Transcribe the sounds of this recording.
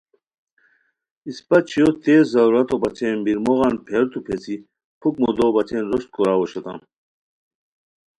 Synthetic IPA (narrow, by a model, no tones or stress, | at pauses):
ispɐt͡ɕʰijot̪eːzɐɾuɾɐt̪obɐt͡ɕʰenbiɾmoɣɑnpʰeɾt̪upʰet͡si | pʰukmod̪obɐt͡ɕʰenɾoɕt̪̚kʰoɾaːwoɕot̪a̰n